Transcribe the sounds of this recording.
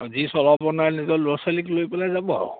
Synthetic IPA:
zisɔlɔbɔnaɹnizɔloɹsaliklojpɛlajzabɔɔ̰

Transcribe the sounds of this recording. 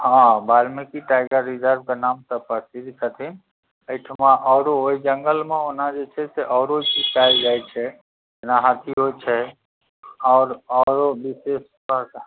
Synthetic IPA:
ɦãbaːɾmẽkiʈaːɪɡəɾːid͡ʒəɾb̚kanaːmt̪əpəsiɾkʰət̪ʰĩ | əɪʈʰmãʔɔːɾooid͡ʒəŋɡəlmẽʊnãd͡ʒet͡ʃʰɛseʔɔːɾot͡ʃiskaːld͡ʒaːit͡ʃʰɛ | naɦat̪ʰiɦot͡ʃʰɛ | ɔːɾɔːɾobɪseːspak

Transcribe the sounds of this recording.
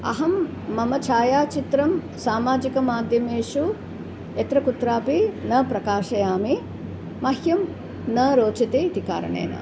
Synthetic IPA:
ɐ̰ɦɐmː | ɐmɐt͡ʃʰaːjaːt͡ʃit̪ɾɐm | saːmaːd͡ʒikɐmaːd̪ʱjɐmeːʂu | et̪ɾɐkut̪ɾaːpinɐpɾɐkaːʃɐjaːmi | mɐɦjɐm | nɐɾoːt͡ʃɐt̪eit̪ika̰ːɾɐ̰ɳḛːnɐ̰

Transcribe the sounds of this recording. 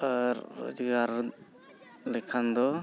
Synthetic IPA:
əɾːɔ̰d͡ʒɡaɾ | lɛkʰand̪ɔ

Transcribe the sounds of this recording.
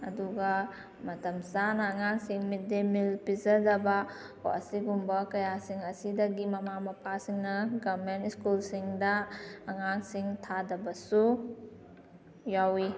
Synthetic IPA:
ɐduɡɐ | mɐtɐmsanɐːŋaŋsiŋmit̚demilpizɐdɐbɐ | ko̰ʔɐ̰siɡumbɐkɐjasiŋɐsidɐɡimɐmamɐpʰasiŋnɐɡamentiskulsiŋdɐːŋaŋsiŋtʰadɐbɐsu | jawi

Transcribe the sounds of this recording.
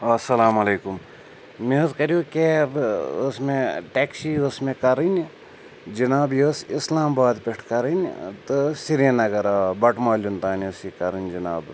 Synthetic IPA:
ɐsɐlaːmɐleːkum | mezkɐɾijukebosmeʈeːksiosmẽkɐɾinʲ | d͡ʒinaːbjosislaːmbaːd̪peʈʰkɐɾinʲt̪ɨsiɾenɐɡɐɾabɐʈmaːlʲunt̪aːnusikɐɾɨnʲd͡ʒina̰ːb

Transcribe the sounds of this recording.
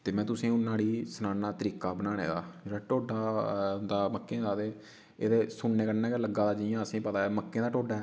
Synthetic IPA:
t̪eːmɛ̃ːt̪ʊsĩːʊnːãːɽiːsənãːnaːt̪əɾiːkaːbənaːnḛːd̪a̰ːd͡ʒeːɽaːʈoːɖaːd̪aːməkːẽːd̪aːd̪eː | ḛːd̪eːsʊɳneːkəɾnãːkeləɡaːd̪aːd͡ʒɪjãːəsĩːpət̪aːɛːməkːẽːd̪aːʈoːɖaːɛː

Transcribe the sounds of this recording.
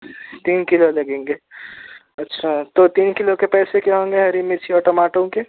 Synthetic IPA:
t̪iːnkɪlolɐɡẽːŋɡeː | ɐtːʃʰat̪ot̪iːnkɪlokepɛːsekeɦõːŋɡeɦɐɾimɪt͡ʃʰiɔːʈomaːʈõke

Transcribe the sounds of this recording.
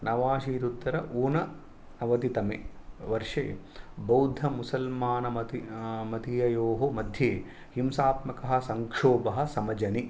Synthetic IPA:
nɐʋaːʃiːɾut̪ːɐɾɐʔuːnɐ | nɐʋɐt̪it̪ɐmḛʋɐɾʂḛːbɐwd̪ʱɐmusɐlmaːnɐmɐt̪mɐt̪ijɐjoːɦomɐd̪ʱjeː | himsaːt̪mɐkɐɦɐ̆sɐŋkʂoːbɐɦɐ̆sɐmɐd͡ʒɐni

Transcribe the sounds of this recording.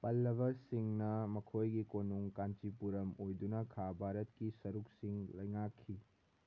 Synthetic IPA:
pɐlːɐβɐsiŋnɐmɐkʰojɡikonuŋkant͡ʃipuɾɐmojdunɐkʰabʱaɾɐt̚kisɐɾuk̚siŋlɐjŋakʰːi

